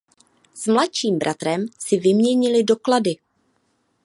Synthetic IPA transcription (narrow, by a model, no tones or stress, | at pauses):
z̥mlatt͡ʃiːmbɾʔat̪ɾɛmsɪvɪmɲɛɲɪlɪdo̞kladɪ